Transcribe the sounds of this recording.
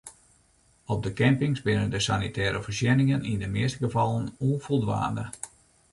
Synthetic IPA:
ɔb̚dəkɛmpɪŋsbɪnəndəsanitʰɛːɾəfərsjɛnɪŋənindəmɪəstəɡəvɑlˠənuənfolˠdʋa̰ːndə

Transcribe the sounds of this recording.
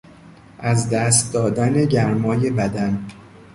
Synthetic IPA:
ʔæzd̪æːst̪̚d̪ɒːd̪æne̞ɟæɾmɒːje̞bæd̪æn

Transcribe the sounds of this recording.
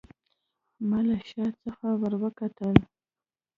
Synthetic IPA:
malaʃɑt͡səxawəɾwəkat̪əl

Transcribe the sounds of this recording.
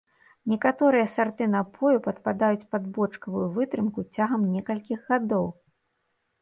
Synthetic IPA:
nʲɛkat̪ɔɾɨjɐsart̪ɨnɐpʰɔjupɐt̪pad̪ajut͡sʲpɐd̪bɔt͡ʂkɐvujuvɨt̪ɾɨmkut͡sʲaɣɐmnʲɛkɐlʲkʲiɣɣad̪ɔw

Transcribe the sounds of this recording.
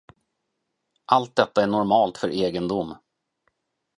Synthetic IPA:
ʔalt̪̚d̪ɛt̪ːaæɳɔɾmɑːlt̪fœɾʔeːɡənd̪ʊmː

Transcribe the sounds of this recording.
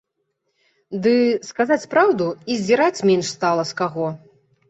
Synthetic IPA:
d̪ɨskazat͡sʲpɾawd̪uizʲd͡zʲiɾat͡sʲmʲɛnʂst̪alˠɐskaɣɔ

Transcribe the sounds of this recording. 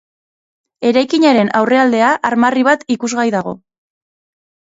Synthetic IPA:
e̞ɾajkiɲaɾe̞nawre̞ald̪e̞aʔaɾmariβ̞at̪ikuzɣajðaɣ̞o̞

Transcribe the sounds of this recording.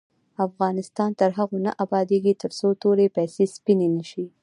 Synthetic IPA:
afɣɑnɪst̪ɑnt̪əɾɦaɣonaʔabɑd̪eɡit̪əɾsot̪oɾepajsespinenəʃi

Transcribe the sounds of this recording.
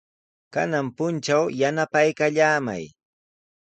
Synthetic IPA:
kanampʊnt͡ʃawjanapajkaʎaːma̰j

